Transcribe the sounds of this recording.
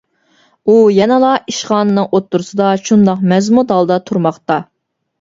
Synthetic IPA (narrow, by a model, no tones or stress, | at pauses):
ujɛnɨlˠɑiʃχɑːnɨnɨŋʔot̪ʰːuɾɨsɨd̪ɑʃund̪ɑqmɛzmut̪ɑlˠd̪ɑt̪ʰuɾmɑχt̪ɑ